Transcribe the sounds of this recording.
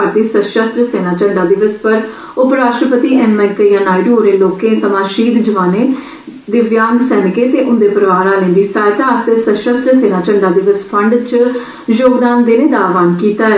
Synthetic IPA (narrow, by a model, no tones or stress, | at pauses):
aɾt̪iːsəʃəst̪ɾəseːnãːt͡ʃəɳɖaːd̪ɪʋəspəɾ | ʊpɾaːʃʈɾəpət̪iːʔɛːnmɛk̪əjãːnaːɪɖoːɾeːloːkẽːsəmãːʃiːd̪d͡ʒəʋaːneː | d̪ɪʋjaːŋɡsɛːnɪkeːt̪eːʔʊnd̪eːpəɾəʋaːɾãːlẽːnd̪iːsaːjt̪aːst̪eːsəʃəst̪ɾəseːnaːt͡ʃəɳɖaːd̪ɪʋəspʰəɳɖt͡ʃ | joːɡd̪aːnd̪eːnẽːd̪aːʋaːnkiːt̪aːɛ